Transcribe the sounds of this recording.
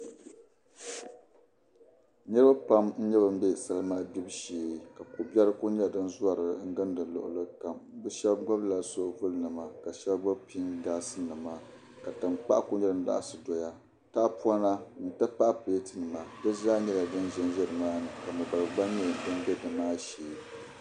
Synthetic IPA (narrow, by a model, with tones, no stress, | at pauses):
nɨ˦ɾɨ˦ba˦pa˦mn̩˦ɲɛ˦bɨ˦m̩˦bɛ˦sa˦lɨ˦maː˦di˦bʃeː˨ka˨ko˨bɛ˦ɾɨ˦ko˦ɲ˦ɛ˦dɨ˦nza˦ɾɨ˨ŋ̩˦ɡɨ˦n˦dɨ˨lʊ̰˨ʔʊ̰˨lɨ˦ka˨m˦bɨ˦ʃɛ˦bɡ͡ba˦bla˨so˦vʊ˦lnɨ˨ma˨ka˨ʃɛ˦lɡ͡ba˦bpi˦nɡaː˦sɨ˦nɨ˨ma˦ | ka˨tɨ˨mk͡pa̰˦ʔa˦ko˦ɲɛ˦lɨ˦n˦da̰˦ʔa̰˨sɨ˨dɔ˨ja˦ | taː˦pu˦a˦na˦nɨ˨ta˦pa˦ʔpɨ˨˦tɨ˨nɨ˨ma˨dɨ˦zaː˦ɲɛ˦la˨dɨ˦nʒɛ˦n˦ʒɛ˦ɾɨ˨maː˦nɨ˨ka˨mɨ˨ba˨ɾɨ˨ɡ͡ba˦ɲɛ˦dɨ˦n˦bɛ˦dɨ˨maː˦ʃeː˨